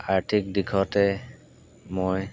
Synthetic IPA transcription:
aɹtʰik̚dikʰɔtɛ | moj

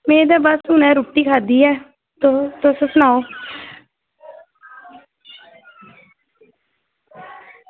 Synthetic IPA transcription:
meːd̪aːbəsuːnɛ̃ːɾuːʈːiːkʰaːd̪iːɛː | t̪ot̪osəsnaːoː

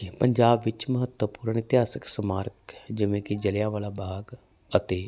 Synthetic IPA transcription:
pəɲd͡ʒaːbʋɪt͡ʃməɦət̪wəpuːɾəɳɪt̪ɪɦaːsəksəmaːɾkd͡ʒɪʋẽːkid͡ʒəlɪjãːʋaːlaːbʱaːɡ | ət̪eː

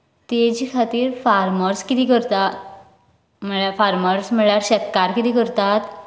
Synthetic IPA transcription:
t̪ed͡ʑiːkʰat̪iːɾfaɾməɾskit̪ikəɾt̪a | m̤əɭjafaɾməɾsm̤əɭɭjaɾɕət̪kaɾkit̪iːkəɾt̪at̪

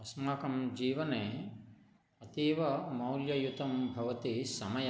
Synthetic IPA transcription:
ɐsmaːkɐmd͡ʒiːʋɐneː | ɐt̪iːʋɐmɐwljɐjut̪ɐmbʱɐʋɐt̪isɐmɐjɐ

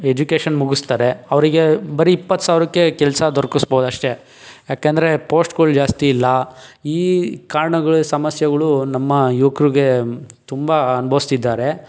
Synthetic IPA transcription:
ed͡ʒukeːʂɐnmuɡust̪aːɾe̞ɐʋɐɾiɡe̞bɐɾiːpːɐt̪ːsaːʋɾɐkːekɛlsɐd̪ʱoɾkusboːd̪ɐʂʈe̞ | jaːkend̪ɐɾepoːsʈkold͡ʒaːst̪iːlːɐiːkaːɾɐɳɐɡɐɭusɐmɐsjɐɡɐɭunɐmːɐjuːkɾuɡe̞t̪umbɐɐnubʱɐʋist̪id̪ːaːɾe̞

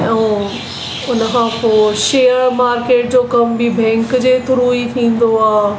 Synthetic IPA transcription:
ɛ̃ | ʊnəkʰãpoːʃeːəɾmaːɾkeːʈ̚d͡ʑoːkɐmbibʱɛ̃ːŋkd͡ʑeːt̪ʰʊɾuːit̪ʰĩːn̆d̪oaː

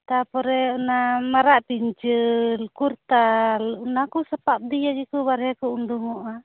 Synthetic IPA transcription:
t̪apɔɾɛɔnamaɾaʔpiɲt͡ʃilkurt̪alnakusapap̚d̪ijad͡ʒikubaɾɛkuunduŋɔʔa

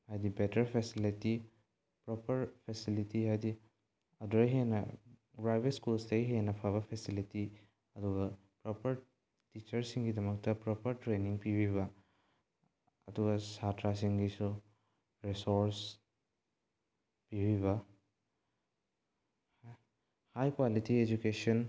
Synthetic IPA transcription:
hajdibetʰɐɾpʰesiliti | pɾɔpʰɐɾpʰesilitiɦajdi | ɐduɾɐjɦenɐ̰ | bɾajbeskulstɐjɦenɐpʰaβɐpʰesiliti | ɐduɡɐ | pɾɔpɐɾ | tit͡ʃɐɾsiŋɡidɐmɐk̚tɐpɾɔpɐɾtɾeniŋpibʱiβɐ | ɐ̰duɡɐsatɾas̬iŋɡisu | ɾesoɾs | pibʱiβɐ | hajkwalitied͡ʒukesɐn

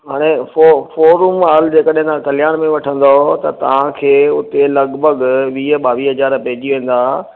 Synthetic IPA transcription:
ɦaːɽ̃ẽfofoːɾumaːld͡ʑeːkəɗɦɪ̃nt̪ʰãkɐljaːɽ̃mẽʋɐʈʰə̃nd̪ot̪ɐt̪ɐ̰ʋ̤ãkʰeːʊt̪elɐɡbʱəɠʋiːɦɓaːʋiːɦɐzaːɾpɐɦɪd͡ʑiʋẽːn̆d̪aː

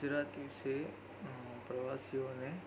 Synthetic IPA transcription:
d͡ʒɾaːt̪ise | pɾɐʋaːsijone

